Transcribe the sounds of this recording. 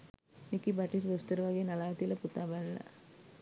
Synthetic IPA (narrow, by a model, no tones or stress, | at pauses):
nikːibaʈiɾd̪ost̪ɐɾɐʋaːɡinɐlaːʋɐt̪ilɐput̪aːbalːɐ̰